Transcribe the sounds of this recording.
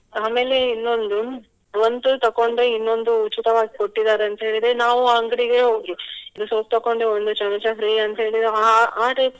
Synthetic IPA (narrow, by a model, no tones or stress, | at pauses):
aːme̞ːle̞inːo̞nd̪u | ʋond̪ut̪ɐkːoɳɖeinːo̞nd̪uːt͡ʃːit̪ɐʋaːɡikoʈːid̪aːɾeɐnt̪ɐɦe̞ːɭid̪enaːʋuaŋɡɐɽiɡeɦo̞ːɡiid̪usoːp̚t̪ɐkːoɳɖeond̪ut͡ʃɐlɐt͡ʃɐfɾiːɐnt̪ɐɦe̞ːɭid̪eaaːʈe